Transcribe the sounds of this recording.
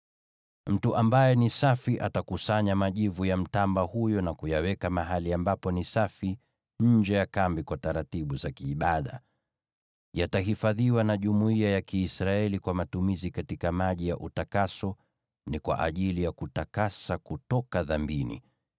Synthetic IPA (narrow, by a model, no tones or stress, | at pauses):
m̩tuʔambajɛnisafiʔatakusaɲamaʄivujam̩tambahujɔnakujawɛkamaɦaliambapɔnisafi | ɲ̩d͡ʒɛjakambikwataɾatiɓuzakiːɓaɗa̰ | jataɦifaðiwanaʄumuiajakiːsɾaɛlikwamatumizikatikamaʄijaʔutakasɔ | nikwa̰ʔa̰ʄilijakutakasakutɔkaðambinḭ